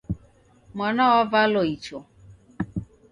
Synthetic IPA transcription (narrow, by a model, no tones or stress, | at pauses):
mɔnɔɔvaloit͡ʃo